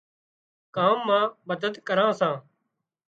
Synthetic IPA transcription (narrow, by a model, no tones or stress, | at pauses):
kaːmːãːməd̪əd̪kəɾãːsãː